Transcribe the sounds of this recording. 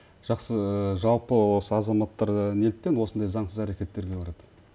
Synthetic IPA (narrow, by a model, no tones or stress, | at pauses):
ʒ̥ɑqsəʒɑlˠpəwo̞səɑzɑmɑt̪ːɑɾne̞lt̪ːenwo̞sənd̪ɑjzɑɴsəzæɾe̞kʲe̞t̪ːe̞ɾɡʲe̞bɑɾɑd̪ə